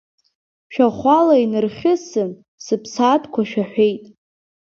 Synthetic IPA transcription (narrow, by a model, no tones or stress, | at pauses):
ʃᶣaχʷalainɨrχʲɪsɨ | sɨpʰsatʰkʷʰaʃᶣaħʷᶣejtʼ